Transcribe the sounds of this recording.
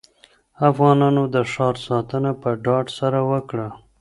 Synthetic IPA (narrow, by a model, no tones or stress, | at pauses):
afɣɑnɑnod̪əʂɑɾsɑt̪ənapəɖɑɖsaɾawəkɽa